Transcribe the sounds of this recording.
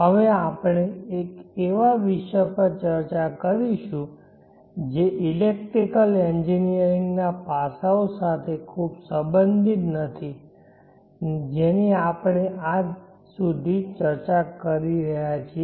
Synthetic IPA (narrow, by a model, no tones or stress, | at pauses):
ɦəʋeapɳ̃eekeʋaʋiʃəpəɾt͡ʃəɾt͡ʃakəɾiʃũ | d͡ʒeʔilek̚ʈɾikəlend͡ʒinijəɾiŋɡnapasaosat̪ʰekʰubsəbənd̪ʱit̪nət̪ʰi | d͡ʒeniapɳeʔad͡ʒ | sud̪ʱit͡ʃəɾt͡ʃakəɾiɾəɦjat͡ʃʰi